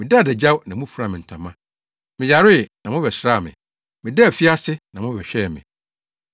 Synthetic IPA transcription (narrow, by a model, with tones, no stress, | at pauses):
mɪ̃˨da˦˨dɛ˨d͡ʑa˦wnã˨mũ˦fu˨ɾa˨mɪ̃˨n̩˨tʰã˨mã˦ | mɪ̃˨d͡ʑa˨ɾʊ˦ɪ˨nã˨mʊ̃˦bɛ˨sɾa˦˨mɪ̰̃˨ | mɪ̃˨dɛ˦˨fi˦a˦sɪ˦nã˨mʊ̃˦bɛ˨ɕᶣɛ˦˨mɪ̰̃˨